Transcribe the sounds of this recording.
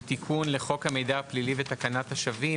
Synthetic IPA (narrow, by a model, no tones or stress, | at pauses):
t̪ikʰunleχo̞khame̞jd̪ahaplilivet̪akanat̪haʃavi